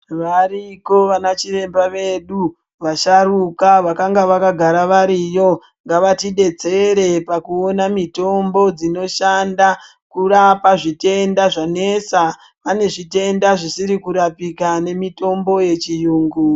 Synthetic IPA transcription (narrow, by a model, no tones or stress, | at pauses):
ʋariko̞ʋanat͡ʃiɾe̞mbaʋe̞ɗu | ʋaʃarukaʋakaŋɡaʋakaɡʱaɾaʋaɾijo̞ | ŋɡaʋatiɗe̞d͡ze̞ɾe̞pakuonamito̞mbo̞d͡zino̞ʃanda | kurapaʐite̞ndaʐanesa | pane̞ʐite̞ndaʐisiɾikuɾapikane̞mito̞mbo̞je̞t͡ʃijuːŋɡu